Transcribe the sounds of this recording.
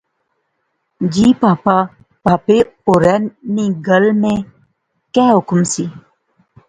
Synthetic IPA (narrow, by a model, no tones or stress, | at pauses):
d͡ʑiːpaːpa | paːpeuɾɛːnniɡəlmẽ | kɛːɦʊkmsi